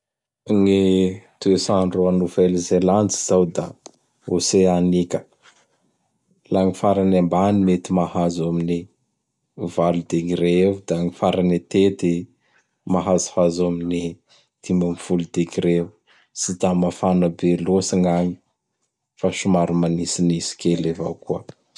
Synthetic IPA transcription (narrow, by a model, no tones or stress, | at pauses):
ŋit̪uesaɳroanuvelizelant͡si̥z̥awd̪a | oseanikə | laŋifaɾanambanimet̪imahazamini | valud̪eŋiɾevud̪aŋifaɾanet̪ed̪e | maɦazu̥hazamini | d̪̥imamifulud̪eɡiɾevu̥ | sid̪amafanabelosiŋaɲi̥ | faʃumaɾumanisinisi̥kelevakuə